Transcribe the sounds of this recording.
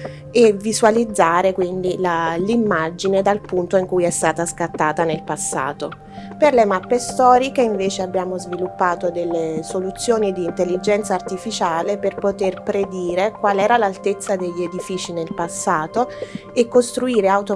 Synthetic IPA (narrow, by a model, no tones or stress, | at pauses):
evizwalid̪zːaːɾekwind̪ilalimːad͡ʒined̪alpunt̪oiŋkujɛst̪aːt̪askat̪ːaːt̪anelpasːa̰ːt̪o | perlemapːest̪ɔːɾikeiɱveːt͡ʃeabːjaːmozvilupːaːt̪od̪elːesolut̪sːjoːnid̪iːnt̪elːid͡ʒɛnt̪saːrt̪ifit͡ʃaːleperpot̪erpɾed̪iːɾekwaːlɛːɾalalt̪et̪sːad̪eʎːied̪ifiːt͡ʃinelpasːaːt̪oekːost̪ɾuiːɾeawt̪o